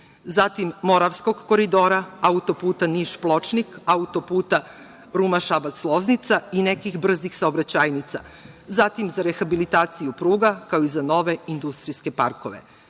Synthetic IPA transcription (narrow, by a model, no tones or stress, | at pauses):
zat̪imːo̞ɾaʋsko̞ɡko̞ɾid̪o̞ːɾaaut̪o̞puːt̪aniʃplˠo̞t͡ʃnikaut̪o̞puːt̪a | ɾumaʃabat̪slˠo̞znit̪sainekixbr̩zixsaobɾat͡ɕaːjnit̪sa̰ | zat̪imzaɾe̞xabilit̪aːt̪sijupɾuːɡakaoizano̞ʋe̞ind̪ust̪ɾiske̞paɾko̰ʋḛ